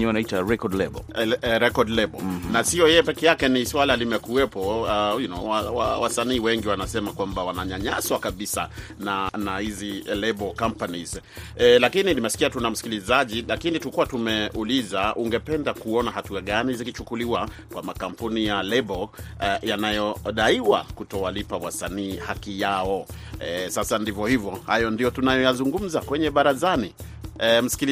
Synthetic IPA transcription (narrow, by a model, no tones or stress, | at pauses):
ɲɛanaitaɾɛkɔdlɛ̰b̰ɾɛkɔdlɛbɔnasiɔjɛjɛpɛkɛjakɛniswalalimɛkuɛpɔjinɔ̰wawawasaniːwɛŋɡiwanasɛmakwambawanaɲaɲaswakaɓisa̰nanahizilɛbɔkampaniz | lakininimɛsi̥kiatunam̩si̥kilizaʄilakinitukuwatumɛʔulizauŋɡɛpɛndakuɔnaɦatuaɠanizikit͡ʃukuliwa | kwamakampunijalɛɓɔjanajɔɗaiwa̰kutɔwalipawasaniːhakijaɔɛsasandivjɔhivjɔhajɔndijɔtunajɔjazuŋɡum̩zakwɛɲɛɓaɾazani | ɛm̩si̥kili